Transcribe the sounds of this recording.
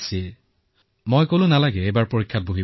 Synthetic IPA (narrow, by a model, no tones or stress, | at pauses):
si | mojkolʊ̃nalaɡɛejbaɹpoɹikʰːat̚boɦi